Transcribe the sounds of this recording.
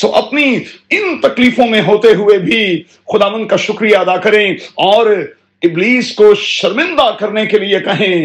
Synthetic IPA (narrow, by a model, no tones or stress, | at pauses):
t̪o̰ːʔɐpniɪnt̪ɐkliːfõmẽɦoːt̪eɦʊebʱi | xʊd̪aːʋə̃nd̪̚kaʃʊkɾijaɐd̪aːkɐɾẽɔːɾ | ɪbliːskoʃɐɾmɪ̃nd̪akɐɾnekeliekɐɦẽː